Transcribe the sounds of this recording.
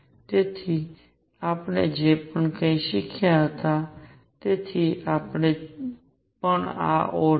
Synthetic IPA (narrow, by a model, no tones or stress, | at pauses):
t̪eːt̪ʰiː | aːpɳed͡ʒeːpəɳkə̃ĩːʃɪkʰjaɦət̪a | t̪eːt̪ʰiːʔaːpɳe | pəɳa̰ːʔoː